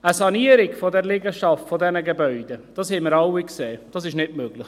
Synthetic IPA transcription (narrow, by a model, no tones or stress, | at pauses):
əsɑniəɾɪkfodɛɾlɪɡəʃɑftfodɛnəɡebœʏd̥əd̥ɑshɛməɾɑwikseːd̥ɑsɪʃnɪtmøɡ̥lɪx